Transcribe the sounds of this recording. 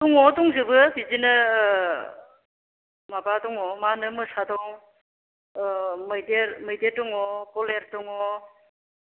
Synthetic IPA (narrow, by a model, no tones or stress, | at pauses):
tuŋɔduŋzɯbɯbizinɯ | mabadɔŋɔmanɯmɯsadɔŋ | mɯjdeɾmɯjdetuŋɔkɔleɾtuŋɔ